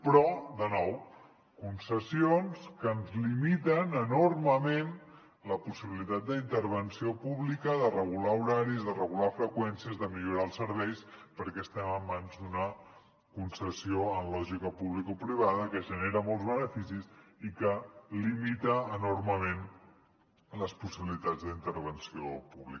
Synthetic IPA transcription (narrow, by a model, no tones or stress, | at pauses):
pɾɔd̪ənɔw | kunsəsionskənzlimit̪ənənorməmen | ləpusiβilit̪at̪̚d̪əint̪əɾβ̞ənsiopuβlikəðərəɣulauɾaɾizðərəɣulafɾəkwɛnsiəzðəmiʎuɾaəlˠsəɾβ̞ɛjspəɾkɛəst̪ɛməmːanzd̪unə | kunsəsioənlɔʒikəpuβlikopɾiβ̞aðəkəʒəneɾəmɔlˠzβənəfisisikəlimit̪əːnorməmen | ləspusiβilit̪ad͡zd̪int̪əɾβənsiopuβlḭk